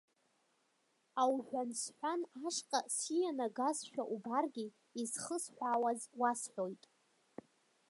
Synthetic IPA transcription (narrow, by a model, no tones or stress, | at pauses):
awħᶣʷansħʷᶣanaʂqʼasijanaɡazʃᶣaʔubarɡʲi | izχəsħʷᶣaːwazwasħʷᶣojtʼ